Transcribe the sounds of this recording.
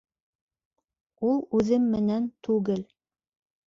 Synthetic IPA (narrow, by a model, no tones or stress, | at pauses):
ulˠʉðɘmːɘ̆nænt̪ʉɡɘl